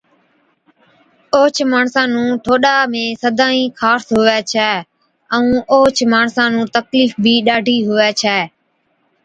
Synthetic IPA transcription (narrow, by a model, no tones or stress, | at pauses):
oːt͡ʃʰmaːɳsãːnũːʈʰoːɗaːmẽːsəd̪ʱãːĩːkʰaːsɦʊʋɛːt͡ʃʰɛː | ə̃ũːʔoːt͡ʃʰmaːɳsãːnũːt̪əkliːfbʱiːɗaːɖʱiːɦʊʋɛːt͡ʃʰɛː